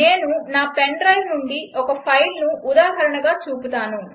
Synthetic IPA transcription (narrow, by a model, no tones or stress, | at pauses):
e̞ːnunaːpeɳɖɾɐjmnuɳɖiʔɔkɐpʰɐjlnuːd̪aːɦɐɾɐɳɐɡaːt͡ʃuːput̪aːnu